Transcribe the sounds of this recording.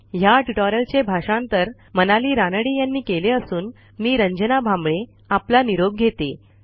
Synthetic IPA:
jaʈuʈɔɾəlt͡ɕebʱaʂãnt̪əɾ | mənaliːɾanəɽiːjanːiːkeleəsuːn | miːɾəɲd͡ʑənabʱãmbɭe | aplaniɾob̚ɡʱet̪e

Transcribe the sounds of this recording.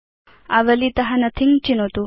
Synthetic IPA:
ɐʋɐlit̪ɐɦɐnɐt̪ʰiŋt͡ʃinot̪u

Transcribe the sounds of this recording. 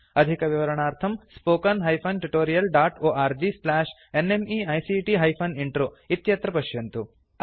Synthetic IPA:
ɐd̪ʱikɐʋiʋɐɾɐɳaːɾt̪ʰɐmspoːkɐnɦɐjpʰɐnʈuʈoːɾijɐlɖaːʈoːʔaːɾd͡ʒislaːʂ | enemiɐjsiʈiɦɐjpʰɐniɳʈɾoː | it̪jɐt̪ɾɐpɐʃjɐnt̪u

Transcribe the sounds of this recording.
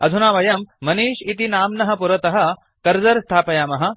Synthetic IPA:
ɐ̰d̪ʱunaːʋɐjɐmːɐniːʃit̪inaːmnɐɦɐ̆puɾɐt̪ɐɦɐ | kɐɾd͡zɐɾst̪ʰaːpɐjaːmɐɦɐ̆

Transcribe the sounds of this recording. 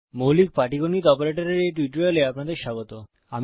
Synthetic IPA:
mowlik̚paʈikonit̪ɔpoɾeʈoɾeɾejʈiʈɾjoleapnad̪eɾʃaɡot̪o | am

